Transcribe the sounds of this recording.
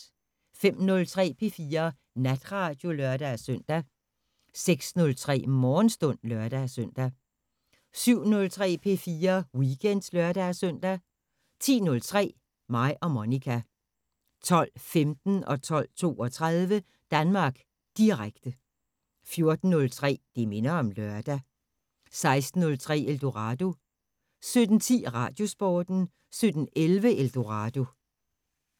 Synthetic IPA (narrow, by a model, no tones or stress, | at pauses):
fem̰nɔ̽lt͡sʰʁɛ̰ːpʰe̝fiːɐ | næd̥ʁɑ̈d̥jo̝lœɐd̥æsœn̰d̥æ | seɡ̥snɔ̽lt͡sʰʁɛ̰ːmɒːn̩sd̥ɔ̽n̰lœɐd̥æsœn̰d̥æ | syʊ̰nɔ̽lt͡sʰʁɛ̰ːpʰe̝̰fiːɐwiɡ̥en̰d̥slœɐɾ̥æsœn̰d̥æ | t͡sʰḭːnɔ̽lt͡sʰʁɛ̰ː | mɑ̈ɪʔɒ̽monikʰæ | t͡sʰɒ̽l̰femd̥n̩ɒ̽t͡sʰɒ̽l̰t͡sʰo̝̰ːɒ̽t͡sʰʁað̞ˠʋə | d̥ænmɑ̈ːɡ̥ | d̥iʁaɡ̥̚d̥ə | fjo̝ɐd̥n̩ːɔ̽lt͡sʰʁɛ̰ːd̥eme̝nɐɒ̽mlɶɐd̥æ | sɑ̈ɪsd̥n̩ːɔ̽lt͡sʰʁɛ̰ːeld̥o̝ʁɑ̈d̥o̝ | sød̥n̩t͡sʰḭːʁɑ̈d̥jo̝sb̥ɒːd̥n̩ | sød̥n̩elʋəeld̥o̝ʁɑ̈ːd̥o̝